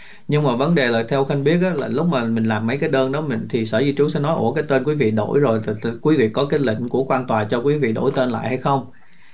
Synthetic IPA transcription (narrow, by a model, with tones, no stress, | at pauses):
ɲɨ˧ŋmaː˨˩və˨˦nɗe˨˩laː˨˩t̪ʰɛ˧wxa˧jŋ̟ɓi˦˥ət̚ʔaː˨˦la̰ː˨˩lʊ˦˥k͡p̚maː˨˩mï˨˩ŋ̟laː˨˩mːə˨˦jkaː˨˦jɗəː˧nɗɔ˨˦mï˨˩ŋt̪ʰi˨˩səː˧˩zi˧t͡ɕu˨˦sɛ̰˧˥nɔ˨˦jʔo̰˧˩kaː˨˦jt̪e˧nkwi˨˦vḭ˧˨ɗo̰˧˩jzo˨˩jkwi˨˦vḭ˧˨kɔ˨˦kaː˨˦jlḭ˧˨ŋ̟ku˧˩əkwaː˧nt̪waː˨˩t͡ɕɔ˧kwi˨˦vḭ˧˨ɗo̰˧˩jt̪e˧nla̰ː˧˨jha˧jxə˧wŋ͡m